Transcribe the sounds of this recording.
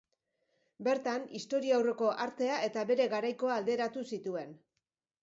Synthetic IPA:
be̞ɾt̪anist̪o̞ɾiawre̞ko̞ʔaɾt̪e̞aʔe̞t̪aβe̞ɾe̞ɣaɾajko̞aːld̪e̞ɾat̪usit̪ue̞n

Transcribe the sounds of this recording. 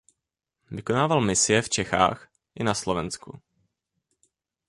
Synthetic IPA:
vɪko̞naːvalmɪsɪjɛft͡ʃɛxa̰ːx | ʔɪnaslovɛnsku

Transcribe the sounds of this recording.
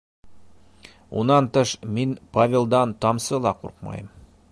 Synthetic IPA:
ṵnɑnt̪ɤʃminpavʲelˠd̪ɑnt̪ɑmsɤlˠɑqṵɾqmɑ̰jɤm

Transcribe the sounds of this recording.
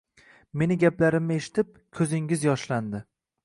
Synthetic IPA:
me̞nɪɡʲaplaɾɪmːe̞ʃɪ̥t̪ɪp̚kʲʰɵzɪŋʲɪzjɒʃland̪ɪ

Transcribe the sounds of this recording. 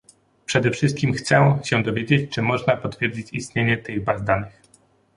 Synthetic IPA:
pʂɛd̪ɛfʂɘst̪̚kʲimxt̪sɛɕɛd̪ɔvʲjed͡ʑet͡ɕt͡ʂɘmɔʐnapɔt̪fʲjeɾd͡ʑit͡ɕist̪ɲeɲɛt̪ɘɣbazd̪anɘx

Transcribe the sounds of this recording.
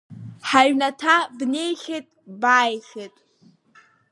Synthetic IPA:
ħaɥnatʰabne̞jχʲetʼbaːjχʲetʼ

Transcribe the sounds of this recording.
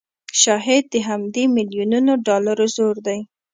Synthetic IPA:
ʃɑɦɪd̪̚ːəɦamd̪emɪljununoɖɑlaɾozoɾd̪aj

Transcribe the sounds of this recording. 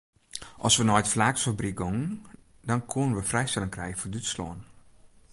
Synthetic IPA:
ʔɔsʋənɔjtflaːksfabrik̚ɡoŋn | dɔnkʰuənənʋəfrɛjstɛləŋkrɛjəfodytslɔ̰ən

